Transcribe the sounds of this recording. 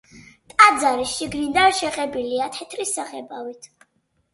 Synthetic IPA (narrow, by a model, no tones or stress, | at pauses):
t̪ʼad̪zaɾisʃiɡnind̪anʃɛqʼɛbiliat̪ʰɛt̪ʰɾisːaχɛbavit̪ʰ